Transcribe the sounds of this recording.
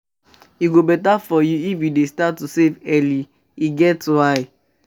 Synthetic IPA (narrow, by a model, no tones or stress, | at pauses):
iɡobɛtafɔjuifjudestatːusevɛli | iɡɛtwaɪ